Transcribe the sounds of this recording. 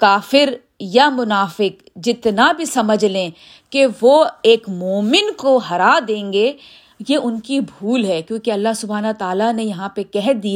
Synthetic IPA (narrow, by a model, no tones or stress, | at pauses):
kaːfɪɾ | jamʊnaːfɪk | d͡ʒɪt̪nabʱisɐməd͡ʒʱlẽː | keʋoeːkmoːmɪnkoɦɐɾad̪ẽːŋɡe | jeʊnkibʱuːlɦɛːkjõːkeɐlːaɦsʊbʱaːnat̪aːlanejɐɦãpekɛɦd̪ia